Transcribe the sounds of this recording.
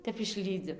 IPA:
ˈtʲɛp ɪʃʲˈlʲiːd͡zʲɪ

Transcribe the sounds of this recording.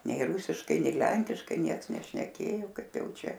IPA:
ˈnʲɛɪ ˈruːsʲɪʃkɐɪ ˈnʲɛɪ ˈlʲɛŋʲkʲɪʃkɐɪ ˈnʲiɛks nʲɛʃʲnʲɛˈkʲeːjoː ˈkɐɪp ˈjɛʊ ˈt͡ʃʲɛ

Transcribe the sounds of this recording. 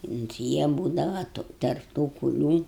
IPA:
ʊnt ˈjiɛ ˈbuːdɐʋɐ tʊ ˈtɐrp tuː kʊˈlʲuː

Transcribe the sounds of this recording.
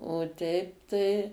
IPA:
oː ˈtʲɛɪp tɐɪ

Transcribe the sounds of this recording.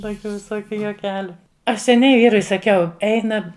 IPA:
ˈtoːkʲʊ ʋʲɪˈsoːkʲʊ juɔˈkʲæːlʲʊ ˈɐʃ sʲɛˈnʲɛɪ ˈʋʲiːrʊɪ sɐˈkʲɛʊ ˈɛɪnɐ

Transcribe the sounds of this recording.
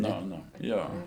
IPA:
ˈnʊ ˈnʊ ˈjoː

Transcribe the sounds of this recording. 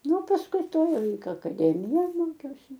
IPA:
ˈnʊ pɐsˈkʊɪ ˈtoːj ɐkɐˈdʲæːmʲɪjoːj ˈmoːkʲɛʊsʲɪ

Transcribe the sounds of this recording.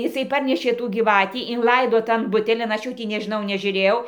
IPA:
ɪˈsɐɪ ˈpɐrʲnʲɛʃʲeː tuː ɡʲiːˈʋɑːtʲiː ɪnˈlˠɐɪdoː tɐn ˈbʊtʲɛlʲɪn ɐʃ ˈjuː tʲiː nʲɛʒʲɪˈnɐʊ nʲɛʒʲʊˈrʲeːjɛʊ

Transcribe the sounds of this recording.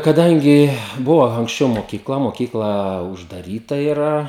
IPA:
kɐˈdɐŋʲɡʲɪ ˈbʊʋɐ ɐŋksʲˈt͡ʃʲɛʊ moːkʲiːˈklˠɐ moːˈkʲiːklˠɐ ʊʒdɐˈrʲiːtɐ ɪˈrɐ

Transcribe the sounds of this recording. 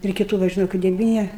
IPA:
ɪr kʲɪˈtuː ˈʋɐ ʒʲɪˈnɐʊ kɐɪ dʲɛˈʋʲiːnʲɪ

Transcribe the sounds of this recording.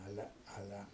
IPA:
ˈɑːlʲɛ ˈɑːlʲɛ

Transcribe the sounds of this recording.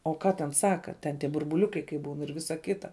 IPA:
oː ˈkɑː tʲɛn ˈsɑːkɐ tʲɛn tʲiɛ bʊrbʊˈlʲʊkɐɪ kɐɪ ˈbuːn ɪr ˈʋʲɪsɐ ˈkʲɪtɐ

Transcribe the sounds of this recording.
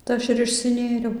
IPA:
tɐɪ ˈɐʃ ɪr ɪʃʲsʲɪˈnʲeːrʲɛʊ

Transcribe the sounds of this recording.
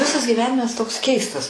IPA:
ˈʋʲɪsɐs ɡʲiːˈʋʲæːnʲɪmɐs toːks ˈkʲɛɪstɐs

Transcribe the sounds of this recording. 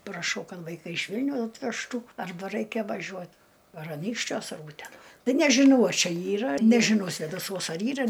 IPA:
prɐˈʃɐʊ ˈkɐt ʋɐɪˈkɐɪ ɪʃ ˈʋʲɪlʲnʲɛʊ ɐtʲʋʲɛʃˈtuː ɐrˈbɐ ˈrɐɪkʲɛ ʋɐˈʒʲuɔ ɐr ɐˈnʲiːkʃʲt͡ʃʲuɔs ɐr ˈuːtʲɛnɐ ˈtɐɪ nʲɛʒʲɪˈnɐʊ ɐ ˈt͡ʃʲɛ ˈiːrɐ nʲɛʒʲɪˈnɐʊ sʲʋʲeːdɐˈsuɔs ɐr ˈiːrɐ

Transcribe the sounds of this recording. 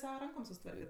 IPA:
ˈsɑːʋɐ ˈrɐŋkoːm sʊsʲɪˈtʋɐrʲkʲɛt

